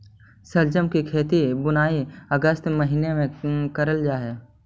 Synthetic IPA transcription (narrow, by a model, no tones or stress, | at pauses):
səld͡ʒəmkikʰeːt̪ibʊnaːiəɡəst̪məɦiːnemẽkəɾəld͡ʒaːɦeː